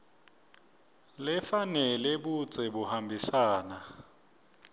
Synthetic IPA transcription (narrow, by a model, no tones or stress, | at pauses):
lɪfanɛlɛbut͡sʼɛbʊhambʱisaːna